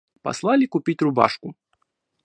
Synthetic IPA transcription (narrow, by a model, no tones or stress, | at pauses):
pa̰slˠalʲikupʲit͡sʲruba̰ʂku